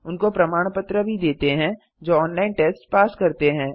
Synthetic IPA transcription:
ʊnkopɾɐmaːɽ̃pət̪ɾəbʱid̪eːt̪eɦɛ̃ | d͡ʒoːɔːnlaːɪnʈeːsʈpaːskɐɾt̪eɦɛ̃ː

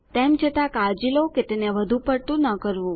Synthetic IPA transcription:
t̪ɛmt͡ʃʰət̪ãkad͡ʒiloket̪eneʋəd̪ʱupəɽt̪ũnəkəɾʋũ

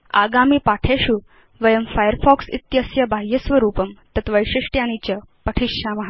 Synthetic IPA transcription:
a̰ɡamiːpaʈʰeɕu | ʋɐjɐmfajəɾfɔksḭt̪jəsjɐbʱaɦjəsʋɐɾuːpəmt̪ɐt̪ʋəjɕiʂʈjañit͡ɕə | pəʈʰiʂɕamɐɦa

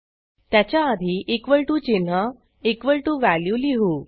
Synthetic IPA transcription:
t̪jat͡ɕjaːd̪ʱiːʔekʋəɭʈuːd͡ʑen̤ɦa | ekʋəɭʈuːʋæljuliɦuː

